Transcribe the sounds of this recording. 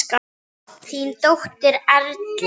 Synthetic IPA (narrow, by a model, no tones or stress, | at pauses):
ka | θint̪owht̪ɪɾaɾt̪l